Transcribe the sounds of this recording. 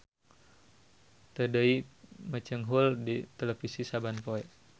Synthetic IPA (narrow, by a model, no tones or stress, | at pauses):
t̪ədəimət͡ʃəŋɦuldit̪elɛfisisabanpoɛ